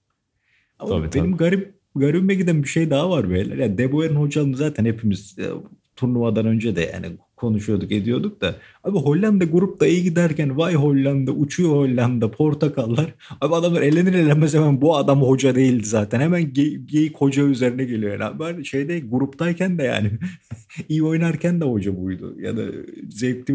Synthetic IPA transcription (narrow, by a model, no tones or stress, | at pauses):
amabenimɡaɾip̚ | ɡaɾibimɛɟid̪ænbiʃe̞jd̪aɦavaɾbejlʲæ̰ɾjad̪eboeɾinho̞d͡ʒalˠɯnɯzaːt̪ʰænhepʰimiz̥̰ | t̪ʰuɾlˠumad̪anø̞nd͡ʒɛd̪ɛ̰j̰a̰nḭkʰo̞nuʃujo̞d̪uke̞d̪ijo̞d̪uk̚d̪aabiɦo̞lʲːand̪aɡuɾup̚d̪aijiɟid̪æɾcænvajɦo̞lʲːand̪aʔut͡ʃʰujoho̞lʲːand̪apʰo̞ɾt̪ʰakʰalˠːaɾ̥abiad̪amˠaɾe̞lʲeniɾelʲɛmɛzhemænbuad̪amho̞d͡ʒad̪e̞jilʲd̪izaːt̪ʰænhemænɟeɟejikho̞d͡ʒayze̞ɾinɛɟe̞lʲioja̰nabaɾʃejd̪eɡuɾupt̪ajcʰænd̪ɛja̰ːnɪ | ijo̞jnaɾcʰænd̪ɛho̞d͡ʒabujd̪ṵja̰d̪a̰zep̚t̪ʰi